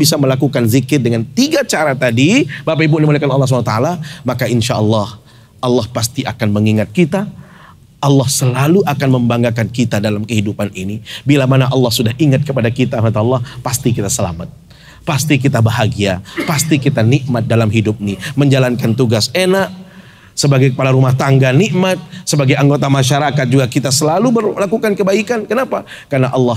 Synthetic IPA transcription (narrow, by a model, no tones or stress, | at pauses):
bisaməlakukanzikɪrdəŋant̪iɡat͡ʃaɾat̪adibapaibuʔnimolakanɑlːɑhs̬ubant̪aalamakaʔinʃaʔɑlːɑh | ʔɑlːɑhpast̪iʔakanməŋiŋat̪̚kit̪a | ʔɑlːɑhsəlaluʔakanməmbaŋɡakankit̪adalamkəɦidupanʔinibilamanaʔɑlːɑhsudahiŋat̪̚kəpadakit̪amat̪ːlːɑhpast̪ikit̪asəla̰mat̪̚ | past̪ik̬it̪abaɦaɡiapast̪ikit̪aniʔmat̪̚dalamɦidʊp̚niməɲd͡ʒalankant̪uɡasenaʔ | səbaɡajkə̥palaɾumaht̪aŋɡaniʔmat̪̚səbaɡajaŋɡot̪amaʃaɾakat̪̚d͡ʒuɡakit̪asəlalubərlakukankəbaikankənapa | karnaʔɑlːɑh